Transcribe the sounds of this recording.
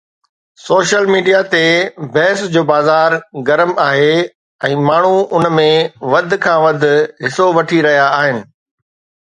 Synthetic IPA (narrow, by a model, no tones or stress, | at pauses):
soːʃəlmiːɖijat̪ebɐɦɪsd͡ʑoːbaːzaːɾɡɐɾəmaːɦe | ɛ̃ːmaːɳ̤uʊnmẽʋɐd̪ʱɪ̆kʰãːʋɐd̪ʱʊ̆ɦɪsoʋɐʈʰiɾɐɦijaːɦɪnɪ̆